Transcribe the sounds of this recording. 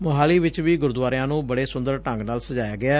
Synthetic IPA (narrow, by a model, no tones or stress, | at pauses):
mʊɦaːliːʋɪt͡ʃʋiːɡʊɾd̪ʊʋaːɾɪjãːnũːbəɽeːsʊnd̪əɾʈə̃ŋɡnaːlsəd͡ʒaːjaːɡɪaː